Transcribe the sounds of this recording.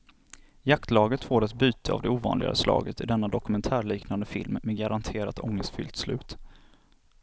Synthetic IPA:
jakt̪lɑːɡət̪foːɾat̪̚byːt̪ʰəa̰vd̪ɛuːvɑ̰ːnlɪɡa̰slɑ̰ːɡət̪ɪd̪ɛnːad̪ɔkɵmɛnt̪ʰæːɭiːknand̪əfɪ̰lmːeɡaɾant̪ʰeːɾat̪ʰɔŋːəst̪fʏ̰lt̪slʉ̟ːt̪

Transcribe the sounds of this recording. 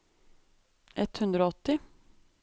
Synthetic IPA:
ʔɛt̪hʉnd̪ɾoːɔt̪ɪ

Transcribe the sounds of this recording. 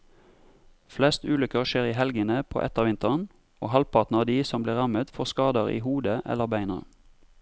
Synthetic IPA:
flɛst̪ʉːlʏkəʁʃeːʁiːhɛlɡənəpʰo̰ːʔɛt̪əʁʋɪnt̪əʁn | o̰ːhɑlpʰɑʁt̪n̩ɑːd̪iːsɔmbliːʁɑmət̪fɔʁskɑːd̪əʁḭːhuːd̪əʔɛ̰ləʁbæɪnəʁ

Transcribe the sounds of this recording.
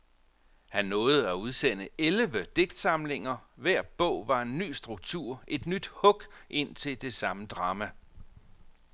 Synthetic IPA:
hænːɔ̽ːð̩ˠæuð̞ˠsen̰əelʋəd̥e̝ɡ̥̚d̥sɑ̈mle̝ŋɐʋæɐ̰b̥ɔ̽ʊ̰ʋɑ̈e̝nːy̰ːsd̥ʁuɡ̥̚t͡sʰuɐ̰ʔe̝d̥nyd̥hɔ̽ɡ̥ʔe̝n̰t͡sʰe̝ld̥e̝sɑ̈məd̥ʁɑ̈ːmæ

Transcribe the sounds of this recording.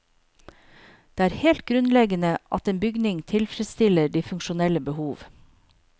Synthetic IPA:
d̪̥eːæːɾheːlt̪̚ɡɾʉnlɛɡənəʔɑ̰t̪eːnbʏɡnɪŋt̪ʰɪlfɾɛt̪st̪ɪləɖiːfʉŋkʃʊnɛləbəhuːʋ

